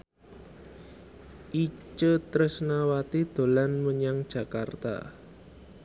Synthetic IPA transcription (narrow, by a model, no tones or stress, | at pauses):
ʔit͡ʃət̪ɾəsnawat̪id̪̥o̤lanməɲaŋd̥ʒ̥a̤kart̪a̰